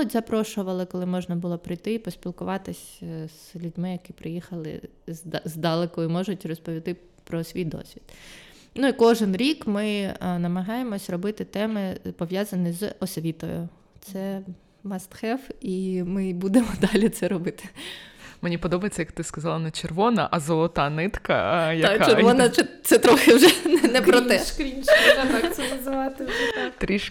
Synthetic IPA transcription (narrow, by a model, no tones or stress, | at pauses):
ɔtʲzɐpɾɔʃʊʋɐlˠɪkɔlˠɪmɔʒnɐbʊlˠɔpɾɪjt̪ɪipɔsʲpʲilˠkʊʋɑt̪ɪsʲz̥lʲudʲmɪjɐkɪpɾɪjixɐlˠɪ̰ | zzd̪ɑlˠekɔimɔʒʊtʲrɔspɔʋʲit̪ɪ | pɾɔsʲʋʲijd̪ɔ̰sʲʋʲid̪ | nuikɔʒɪnɾʲikmɪnɐmɐɦɑjemɔsʲrɔbɪt̪ɪt̪ɛmɪpɔʋjazɐnʲizɔsʋʲit̪ɔ̰jʊ̰ | t̪sɛ | mɐst̪xɛfimɪbud̪emɔd̪ɑlʲit̪sɛɾɔbɪt̪ɪ̥ | menʲipɔd̪ɔbɐjet͡sʲːɐjɐk̚t̪ɪskɐzɑlˠɐnɐt͡ʃerʋɔnɐ̰ʔɐzɔlˠɔt̪ɑnɪt̪kɐ̰jɐɔnɐɛt̪sɛt̪ɾɔxɪwʒɛnnɛpɾɔt̪ɛʃkɾʲimʃɐt̪asʲɛnɐzɪʋɑt̪ɪɛt̪ɾʲiʃ